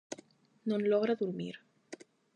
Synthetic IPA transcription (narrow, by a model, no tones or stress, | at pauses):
nõnlɔɣɾaðuɾmḭɾ